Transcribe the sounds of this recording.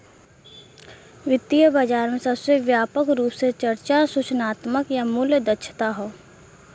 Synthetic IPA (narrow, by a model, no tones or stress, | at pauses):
ʋɪt̪ijəbəd͡ʒaːɾmẽsɐbsəʋjaːpəkɾuːpset͡ʃɐɾt͡ʃasʊt͡ʃnaːt̪məkjamʊljəd̪ɐtːʃʰt̪aɦoː